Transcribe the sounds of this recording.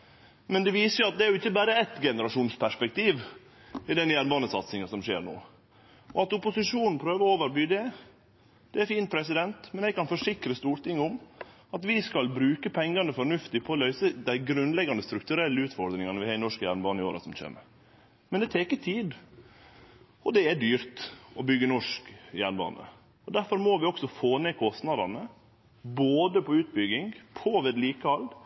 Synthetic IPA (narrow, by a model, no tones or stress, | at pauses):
mɛnd̪ɛʋiːsəjʊɑt̪̚d̪ɛæɾjʊɪçːəbæːɾəɛt̪ɡɛnəɾɑʂuːnspʰæʂpɛk̚t̪iːʋ | ɪd̪ɛnjæɾnbɑːnəsɑt̪sɪŋɑsɔmʂeːɾno̰ː | ɔɑt̪ʊpʊsɪʂuːnn̩pʰɾøːʋəɔoːʋəɾbyːd̪ɛ | d̪̥ɛæɾfiːnt̪̚pʰɾɛsɪd̪ɛnt̪mɛnɛɡ̚kɑnfɔʂɪkɾəst̪uːɾt̪ɪŋːʊm | ɑt̪ʋɪskɑlbɾʉːkəpʰɛŋɡɑnəfɔɾɳʉft̪ɪpʰɔːlœʏsəd̪æɪɡɾʉnlɛɡɑnd̪əst̪ɾʉk̚t̪ʉɾɛlːəʉːt̪fɔɾd̪ɾɪŋɑnəʋɪhɑːɪnɔʂkjæɾɳbɑːnɪoːɾɑsɔmc͡çḛːmə̰ɾ | mɛnd̪ɛt̪ʰeːkət̪ʰiːd̪ | ɔd̪ɛæɖ̪yːɾt̪ɔbʏɡːənɔʂkjæɳbɑ̰ːnə̰ | ɔd̪æɾfɔɾmoːʋɪɔksɔfoːneːkʰɔst̪nɑd̪ɑnə | boːd̪əpʰɔʉːt̪̚bʏɡɪŋpʰɔʋed̪liːkəɑld̪